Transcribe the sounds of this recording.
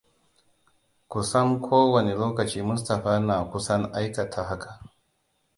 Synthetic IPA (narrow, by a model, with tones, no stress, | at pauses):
ku˨sɐ˦mkʷʰoː˦wɐ˨ne˨loː˦kɐ˨t͡ʃiː˦mʊ˦s̬tɐ˨ɸaː˦naː˨kʷʊ˦sɐ˦ŋʔa˦jkɐ˨tʰa˨ɦa˦kʰa˨